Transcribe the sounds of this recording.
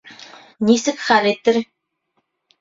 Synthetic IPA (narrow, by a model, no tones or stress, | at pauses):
nʲisɘ̆kχaɾet̪ːɘɾ